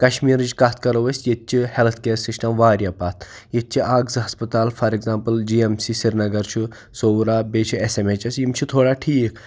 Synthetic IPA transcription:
kɐʃmiːɾd͡ʒkɐt̪ʰkɐɾoʋɐsʲjet̪̚t͡ʃʰihelt̪ʰkeːɾsisʈɐmʋaːɾjɐpaːt̪ʰjet̪̚t͡ʃʰiʔaːɡzɦɐspɐt̪aːlfʰɐɾeɡzaːmpɐld͡ʒiemsisiɾnɐɡɐɾt͡ʃʰi | soːwɾaːbeːt͡ʃʰiesemet͡ʃɐsimt͡ʃʰit̪ʰoːɽaːʈʰiːkʰ

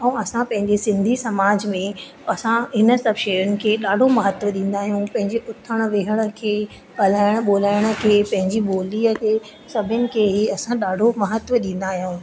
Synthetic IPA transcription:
ɛ̃ɐsãpɐ̃ɦɪ̃ɲd͡ʑesɪ̃nd̪ʱisɐmaːd͡ʑmẽ | ɐsãɦɪnə̆sɐbʃeːɾʊnɪ̆kʰeːɗaːɖʱomɐɦət̪ʋəɗĩːn̆d̪aːɦijũpɐ̃ɦɪ̃ɲd͡ʑeʔʊt̪ʰːəɽ̃ʋeːɦəɽ̃ə̆kʰeː | bɐlaːɪɽ̃̆ɓoːlaːɪɽ̃ə̆kʰeːpɐ̃ɦɪ̃ɲd͡ʑiɓoːliːəkʰeː | sɐbʱənɪ̆kʰeːɦiɐsãɗaːɖʱomɐɦət̪ʋəɗĩːn̆d̪aːɦijũː

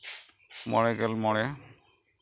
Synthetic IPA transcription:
mɔɽ̃ɛɡɛlmɔɽ̃ɛ

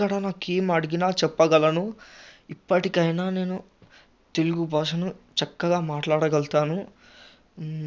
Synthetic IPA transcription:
ɐɽanaːkeːmɐɽiɡinaːt͡ʃɛpːɐɡɐlɐnuipːɐʈikɐjnaːne̞ːnu | t̪e̞luɡubɔːʂɐnut͡ʃɐkːɐɡaːmaːʈlaːɽɐɡɐlt̪aːnu

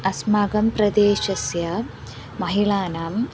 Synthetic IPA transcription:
ɐsmaːɡɐmpɾɐd̪eːʃɐsjɐ | mɐɦiɭaːnaːm

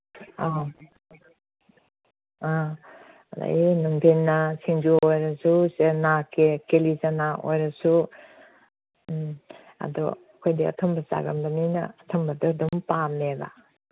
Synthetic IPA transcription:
aɦ | a | da̰enuŋpʰenːɐsiŋd͡ʒuojɾɐsusenakekelizanaʔo̰jɾɐsu | a̰dɔ̰ | kʰojdiɐ̰tʰɔmbɐsa̰ɡɐnbɐninɐ̰ːtʰɔmbɐdɔdɔmpameba̰

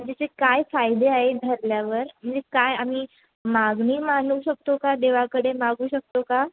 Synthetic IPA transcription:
d͡ʑat͡ɕekajfajd̪eaɦed̪ʱəɾljaʋəɾm̤əɳd͡zekajamiː | maɡniːmanuːɕək̚t̪okad̪eʋakəɽemaɡuːɕək̚t̪oka

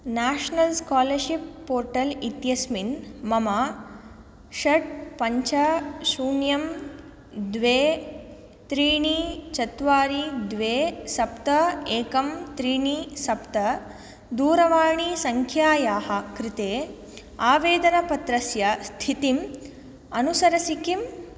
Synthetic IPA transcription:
naːʃnɐlskaːlɐɾʃipːoːɾʈɐlit̪jɐsminmɐma | ʃɐʈ̚pɐɲt͡ʃɐsuːnjɐm | d̪ʋeː | t̪ɾiːɳiːt͡ʃɐt̪ʋaːɾid̪ʋeːsɐpt̪ɐeːkɐmt̪ɾiːɳisɐpt̪ɐ | d̪uːɾɐʋaːɳisɐŋkʰjaːjaːɦɐ̆kɾit̪eː | aːʋeːd̪ɐnɐpɐt̪ɾɐsjɐst̪ʰit̪im | ɐnusɐɾɐsikim

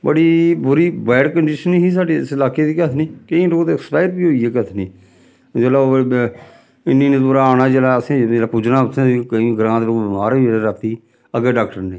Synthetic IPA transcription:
bəɽiːbʊɾiːbɛːɖkəɳɖɪʃəniɦiːsaːɖeːsɪlaːkeːd̪iːkət̪ʰniːkəĩːloːt̪ːkspaːɪʈbiːɦoiːɦeːkət̪ʰniː | d͡ʒeːlaː | ɪnːiːnẽːd̪oːɾaːaːnaːd͡ʒeːlaːəsĩːeːlaːpʊd͡ʒnaːʊt̪ʰẽːiːkəĩːɡəɾãːt̪ɾoːbɪmaːɾilaɾəkʰt̪iː | əɡeːɖaːkʈəɾnẽː

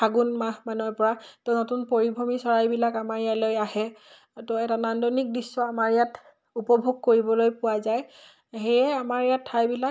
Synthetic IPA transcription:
aɡunmamanupɔɹateʊnotunpoɹibʱɔmisɔɹajbilakamaɹjalojahɛ | tɔɛtanandɔnik̚disːɔamaɹjat | upɔbʱuɡ̚koɹibɔlojpʊwazaj | hejɛamaɹjatʰːajbila

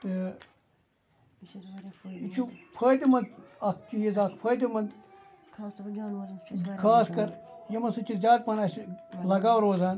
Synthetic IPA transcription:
t̪ɨ | it͡ʃʰupʰəːd̪ʲimɐnd̪ɐk̚kijizaːkpʰɐːd̪ʲimɐnd̪ | kʰaːskɐɾjɐmɐnsɨt͡ʃʰizʲaːd̪pɐnaːsilɐɡaːwɾoːzaːn

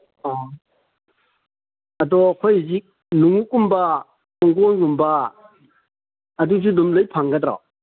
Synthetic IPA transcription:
a | ɐd̪ɔkʰɔjzik̚ | nuŋukːumba | kɔŋɡɔŋɡumba | dut͡ʃʰudumlɯjpʰaŋɡad̪ɾa̰

